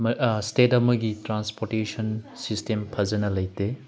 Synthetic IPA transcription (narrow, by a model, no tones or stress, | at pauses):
mstetɐmɐɡitɾanspoɾtesɐnsistempʰɐzɐnɐlɐjte